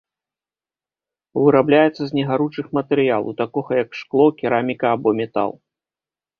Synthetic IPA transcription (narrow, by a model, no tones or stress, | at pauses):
vɨɾablʲajɛt̪sːɐzʲnʲɛɣaɾut͡ʂɨxmɐt̪ɛɾɨjalˠṵt̪akɔɣɐjɐkʂklˠɔkʲiɾamʲikɐːbɔmʲɛt̪a̰lˠ